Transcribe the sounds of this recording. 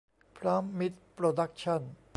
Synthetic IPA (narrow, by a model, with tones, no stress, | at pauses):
pʰɾaː˦˥mːi˦˥t̪̚pɾoː˧da˦˥k̚t͡ɕʰa˥˩n